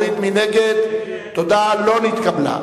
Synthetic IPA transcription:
ɾit̪mineɡed̪t̪ːod̪alonit̪kabla̰

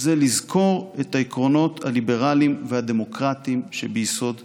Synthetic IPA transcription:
zelizkʰo̞ʁet̪aikʁo̞no̞t̪halibe̞ʁalimvehad̪e̞mo̞kʁat̪imʃebeiso̞d̪

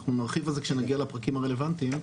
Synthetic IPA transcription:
χnunaʁχivalzekʃenaɡialapʁakimaʁe̞le̞vant̪im

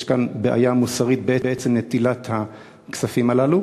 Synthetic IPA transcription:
ʃkanbeʔa̰jamusaʁit̪̚beebeet͡semne̞t̪ilat̪ha | ksafimalalu

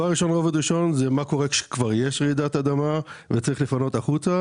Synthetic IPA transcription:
aʁːiʃo̞nʁo̞ved̪ʁiʃo̞nzemako̞ʁekʃe̥kvaʁjeʃʁid̪at̪ad̪amavet͡saʁiχlefano̞t̪aχut͡sa

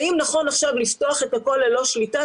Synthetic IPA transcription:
imnaχo̞naχʃavlifto̞aχetako̞lalo̞ʃlita

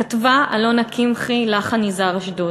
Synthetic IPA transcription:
atvaʔalonakimχilaχanizaʁaʃdo

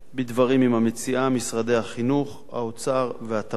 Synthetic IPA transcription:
bid̪vaʁimimhamet͡siʔamisʁad̪e̞jhaχinuχ | ha̰ot͡saʁvehat̪a

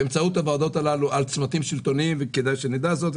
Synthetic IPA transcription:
emt͡saut̪avad̪o̞t̪alaluʔalt͡smat̪imʃilt̪o̞nimveked̪ajʃenid̪azot̪

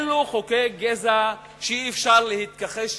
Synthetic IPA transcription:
luχokeɡeza | ʃeiːfʃaʁlehit̪̚kaχeʃ

